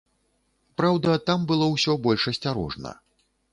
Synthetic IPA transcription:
pɾawd̪ɐt̪ambɨlˠɔwsʲɔbɔlʲʂɐsʲt͡sʲaɾɔ̰ʐnɐ̰

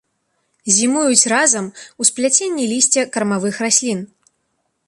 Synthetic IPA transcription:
zʲimujut͡sʲrazɐmusplʲat͡sʲenʲːilʲisʲt͡sʲɛkɐɾmavɨxrasʲlʲin

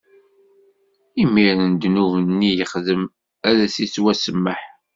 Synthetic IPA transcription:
imːiɾnd̪nuvnːijəχðəm | æɾæsiswæsəmːəħ

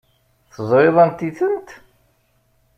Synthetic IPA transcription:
θəzˤɾɪðˤənt̪iθənt̪

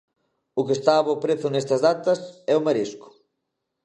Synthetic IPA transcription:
ʊkest̪aːβoʊpɾeθʊnest̪ɐzðat̪ɐsɛʊmaɾiskʊ̥

